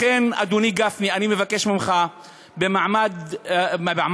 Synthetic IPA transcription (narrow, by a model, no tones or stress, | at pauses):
ena̰d̪uniɡafnianimevakːeʃmimχa | bemaʕmad̪ | baʕm